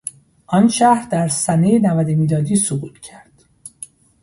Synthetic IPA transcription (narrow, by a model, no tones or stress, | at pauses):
ʔɒnʃæhɾd̪æɾsænejenævæd̪emiːlɒːd̪iːsoɣuːt̪ʰcʲʰæɾd̪̥